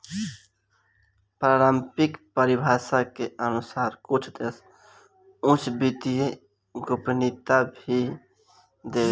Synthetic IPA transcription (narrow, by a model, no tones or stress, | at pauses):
pɾaːɾəmpɪkpəɾɪbʱaːsakeənʊsaːɾkʊt͡ʃʰd̪es | ʊ̃t͡ʃʰbit̪ije | ɡʊpnit̪abʱi | d̪eː